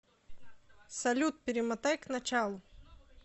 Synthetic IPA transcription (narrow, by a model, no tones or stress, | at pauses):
sɐlʲut̪̚pʲɪɾʲɪmɐt̪ajknɐt͡ɕalˠʊ